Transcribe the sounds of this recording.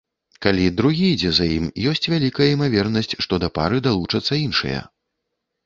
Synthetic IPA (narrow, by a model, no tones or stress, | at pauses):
kalʲid̪ɾuɣʲijd͡zʲɛzajimjɔsʲt͡sʲvʲalʲikɐjɐimavʲɛrnɐsʲt͡sʲʂt̪ɔd̪ɐpa̰ɾɨd̪alˠut͡ʂɐt̪sːɐinʂɐ̰jɐ̰